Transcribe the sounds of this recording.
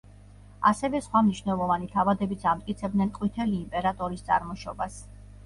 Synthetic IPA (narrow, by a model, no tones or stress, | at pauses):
a̰sɛvɛsχwamniʃvnɛlˠɔvanit̪ʰavad̪ɛbit̪sʰamt̪ʼkʼit̪sʰɛb̚d̪nɛnqʼwit̪ʰɛliːmpʼɛɾat̪ʼɔɾist̪sʼa̰ɾmɔʃɔ̰bas